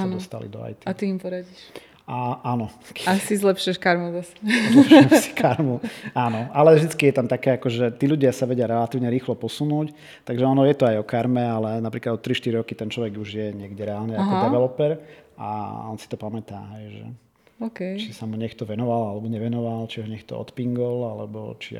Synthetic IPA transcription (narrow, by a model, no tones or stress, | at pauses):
ɔst̪a̰lḭd̪ɔ̰a̰jt̪iat̪iimpɔɾaɟiʃ | aʔaːnɔkasizlɛpʃiɛʃkaɾmuzasɛ̥ɛsi̥kaɾmuaːnɔalɛvʒd̪it͡skijɛt̪amt̪akɛːakɔʒɛt̪iːʎuɟɪasaʋɛɟɪaɾɛlat̪iːʊɲɛɾiːxlɔpɔsunuːc | t̪aɡʒɛɔnɔjɛt̪ɔajɔkaɾmɛalɛnapɾiːklad̪ɔt̪ːɾiʃt̪iɾiɾɔkit̪ɛnt͡ʃlɔʋɛɡuʒjɛɲɪɛɡɟɛɾɛaːlnɛakɔd̪ɛʋɛlɔpɛɾa̰ɔnsi̥t̪ɔpamɛt̪a̰ːɦɛjʒɛ̰ | okɛt͡ʃisamuɲɛkt̪ɔʋɛnɔʋalalɛbɔɲɛʋɛnɔʋalt͡ʃiɦɔɲɛkt̪ɔ̰ɔ̰t̪piŋɡɔlalɛ̰bɔ̰t͡ʃḭ